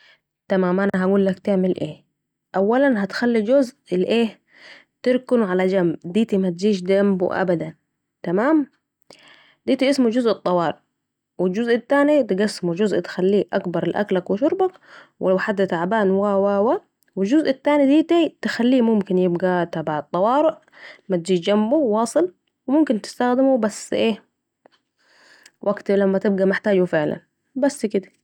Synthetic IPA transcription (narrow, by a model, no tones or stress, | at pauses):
t̪amaːmʔanaɦaɡuːlːakt̪ɪʕmɪlʔeː | ʔawːalanɦat̪xalːid͡ʒʊzʔlʔeː | t̪ɪɾkʊnʕalad͡ʒambd̪iːt̪imat̪̚d͡ʒiːʃd̪ambṵʔa̰bad̪an | t̪amaːm | d̪iːt̪iʔɪsmud͡ʒʊzʔɨt̪ˤːɑwɑːɾˤ | wɪld͡ʒʊzʔat̪ːaːnit̪ɡasːmud͡ʒʊzʔt̪xalːiːʔakbɑɾˤlʔa̰klakwɪʃʊɾbak | wʔɪħad̪ːat̪aʕabaːnwaːwaːwaː | wɪld͡ʒʊzʔat̪ːaːnid̪iːt̪it̪ɪxalːiːmʊmkɪnjɪbɡat̪abaʕɑt̪ˤːɑwɑːɾɪʔ | mat̪̚d͡ʒiːd͡ʒambuwɑːsˤɨl | wɪmʊmkɪnt̪ɪ̥st̪axd̪ɪmubasʔeː | wʔaɡt̪lamːat̪ɪb̚ɡamɪħt̪aːd͡ʒufɪʕla̰n | basːkɪd̪ḁ